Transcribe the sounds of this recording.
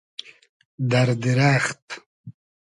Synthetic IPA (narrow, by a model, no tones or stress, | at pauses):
d̪aɾd̪iɾaːxt̪